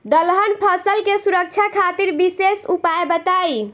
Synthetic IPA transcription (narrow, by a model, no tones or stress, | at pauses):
d̪əlɦənpʰəsəlkesuɾək̚t͡ʃʰakʰat̪iɾbisesupaebət̪aj